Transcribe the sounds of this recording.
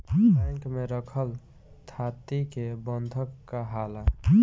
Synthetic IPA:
bɛ̃ŋkmeɾəkʰəl | t̪ʰat̪ikebənd̪ʱəkːaɦala

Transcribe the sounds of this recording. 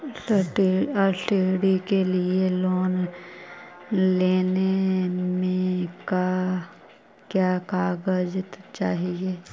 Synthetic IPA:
ʈɔɾsiɽikelieloːn | leːnemẽka | kjaːkaːɡəd͡ʒt̪t͡ʃaːɦieː

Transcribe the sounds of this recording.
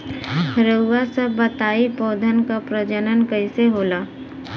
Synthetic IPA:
ɾəʋasəbːət̪aːipɔːd̪ʱənkapɾəd͡ʒənənkəɪseɦoːlaː

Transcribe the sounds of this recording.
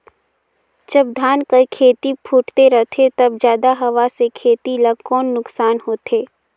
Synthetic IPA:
d͡ʒəbd̪ʱaːnkəɾkʰeːt̪ipʰuːʈt̪eɾɐt̪ʰet̪ɐbd͡ʒjaːd̪aɦɐʋasekʰeːt̪iləɡkɔːnːʊksaːnɦoːt̪eː

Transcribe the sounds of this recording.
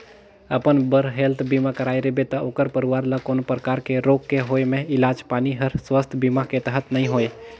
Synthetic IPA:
əpənbəɾɦelt̪ʰbimakəɾaːeɾebet̪ɐoːkəɾpəɾiʋaːɾləkoːnopɾəkaːɾkeɾoːɡkeɦoːemẽɪlaːd͡ʒpaːniɦəɾswəst̪ʰbimaket̪əɦət̪nəɦĩɦoːe

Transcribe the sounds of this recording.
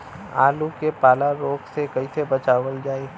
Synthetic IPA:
a̰ːlukepaːlaɾoːksekɐɦisebɐt͡ʃaːʋəld͡ʒaːe

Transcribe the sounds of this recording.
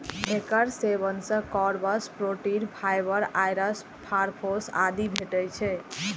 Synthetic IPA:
ekəɾseβənsə̃kɔɾbəspɾoʈinpʰajbəɾajɾəs | pʰaɾpʰosa̰d̪ibʱeʈəjt͡ʃʰɛ

